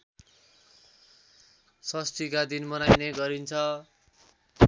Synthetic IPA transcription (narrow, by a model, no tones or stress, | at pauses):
sʌsʈ̪ikad̪inmʌnajneɡʌɾint͡sʰʌ